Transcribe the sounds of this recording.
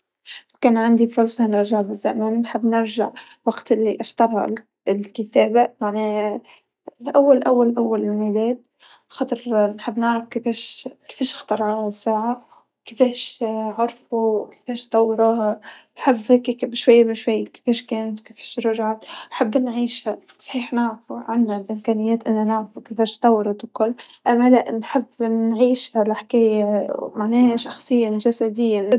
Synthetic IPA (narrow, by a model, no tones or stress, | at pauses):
wkeːnʕand̪ifʊɾsˤɑnɪɾʒaʕbɪzːameːnnħɪbːnɪɾʒaʕ | waɡt̪ʔɪlːiʔɪxt̪ɑɾˤhɑ̰ | lkɪt̪eːbajaʕni | lʔawːalʔawːalʔawːalmɪnileːd̪̚ | xɑt̪ˤɨɾˤnħɪbːnɪʕɾɪfkɪfeːʃkɪ̥feːʃxt̪ɑɾˤʕasːaːʕa | kɪfeːʃʕʊɾˤfukɪ̥feːʃt̪ˤɑwːɾɑnħɪbːhkikɪbʃwajːamɪʃwajːkɪ̥feːʃkeːnt̪wkefe̥ːʃɾʊʒʕat̪ħabːnʕiːʃha | sˤħiːħnaʕfuʕanːalʔɪmkæːnɪjːeːt̪ʔɪnːanaʕfukefeːʃt̪ɑwɾˤɑt̪wkʊlːʔamːalaʔnħɪbːnʕiːʃhalaħkeːjamaʕneːhaʃɑxsˤɨjːaʒasad̪ɪjːa